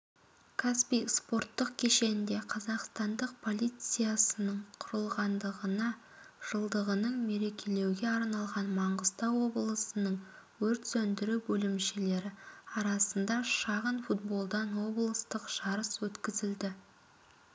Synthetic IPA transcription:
kʰaspijspo̞rt̪ːəq̚kʲʰe̞ʃe̞nɪnd̪e̞qʰɑzɑqst̪ɑnd̪əq̚pʰo̞lʲˠijt̪sɨjasənəɴqʰʊɾəlˠʁɑnd̪əʁənɑ | ʒ̥əlˠd̪əʁənəɴme̞ɾe̞kʲʰe̞le̞wɡʲe̞ɑɾnɑlˠʁɑnmɑɴʁəzt̪ɑwo̞blˠəsənəɴ | wɵɾt̪sɵnd̪ɪɾubɵlɪmʃele̞ɾɪɑɾɑsənd̪ɑʃɑʁənfut̪̚bo̞lˠd̪ɑnwo̞blˠəst̪əqʒ̥ɑɾəswɵt̪kʲɪzɪld̪ɪ

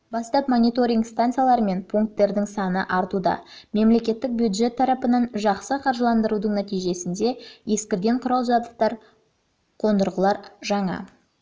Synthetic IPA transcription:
bɑst̪ɑpmo̞nijt̪o̞ɾʲiŋkst̪ant̪sijalˠɑɾəme̞npʰuŋk̚t̪ːe̞ɾd̪ɪŋsɑnə̰ʔɑɾt̪ud̪ɑ̰me̞mle̞kʲe̞t̪ːɪk̚bʲjud̪ʒe̞t̪ʰːɑɾɑpənɑnʒɑqsəqʰɑɾʒəlˠɑnd̪əɾud̪əɴnæt̪ijʒe̞sɪnd̪e̞je̞skʲɪɾɡ̪ʲe̞ɴqʰʊɾɑlˠʒɑt̪əqt̪ɑɾ | qʰo̞nd̪əɾʁəlˠɑɾʒɑɴɑ̰

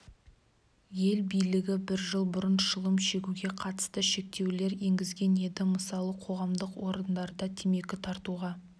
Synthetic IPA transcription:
je̞lbijlɪɡʲɪbɪɾʒəlˠbʊɾənʃəlˠəmʃe̞ɡʲuɡʲe̞qʰɑt̪ə̥st̪əʃe̞k̚t̪e̞wle̞ɾe̞ŋɡʲɪzɡʲe̞ne̞d̪ɪməsɑlˠəqʰo̞ʁɑmd̪əqwo̞ɾənd̪ɑɾd̪ɑt̪ʰeme̞kʲɪt̪ʰɑɾt̪uʁɑ

